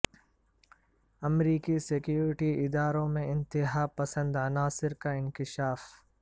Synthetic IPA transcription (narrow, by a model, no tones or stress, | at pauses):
ɐmɾiːkisɪkjuːɾɪʈiɪd̪aːɾõmẽɪ̃nt̪ɪɦapɐsə̃nd̪ɐnaːsɪɾkaɪ̃nkɪʃaːf